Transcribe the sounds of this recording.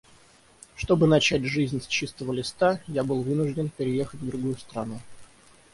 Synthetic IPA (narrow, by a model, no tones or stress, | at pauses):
ʂt̪o̞bɨnɐt͡ɕæt̬̚ʲʐɨzʲnʲsʲt͡ɕist̪əvəlʲɪst̪ajabɨlˠvɨnʊʐdʲɪnpʲɪɾʲɪje̞xətʲvd̪ɾʊɡujʊst̪ɾɐnu